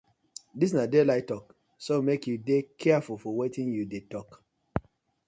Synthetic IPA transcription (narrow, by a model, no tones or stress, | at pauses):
dis̬nadelaɪtɔk | somekjudekʰɛafulfɔwetĩnjudetɔk